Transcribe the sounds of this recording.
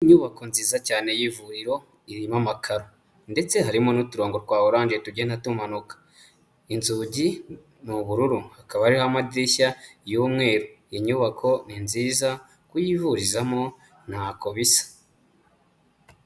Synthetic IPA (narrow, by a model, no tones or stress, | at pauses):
iɲuβako̞nziːzacaːne̞jivuɾiɾo̞ | iɾimamakʰaɾo | nde̞t͡se̞ɦaɾimo̞nutuɾo̞ːŋɡotkwaːoɾaːɲʒetuɟenatumanukḁ | inzuːɟi | nuβuɾuɾuhakaβaɾihoamadiɾiʃajuːmŋe̞ːɾujiɲuβakʰo̞ninziːza | kujivuɾizamo̞ | n̥hako̞βisḁ